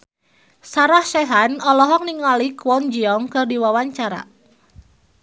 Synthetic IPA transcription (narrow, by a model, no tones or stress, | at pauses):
saɾahʃɛɦanɔlɔɦɔk̚niŋɔlikwɔnd͡ʒiɔŋkɨrdiwawaɲt͡ʃaɾa̰